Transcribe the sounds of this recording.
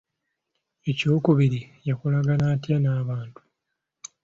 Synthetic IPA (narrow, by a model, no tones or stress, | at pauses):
e̞co̞ːkuβiɾijakulaɡanaːtjanaːβaːntu̥